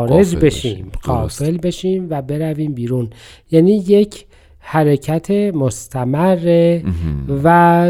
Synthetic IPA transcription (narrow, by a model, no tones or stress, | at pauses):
ɾed͡ʒbe̞ʃiːmɢɒːfe̞lbe̞ʃiːmvæbe̞ɾæviːmbiːɾun | jæːniːje̞cʰ | hæɾecʰæt̪ʰe̞most̪ʰæmærːe | væ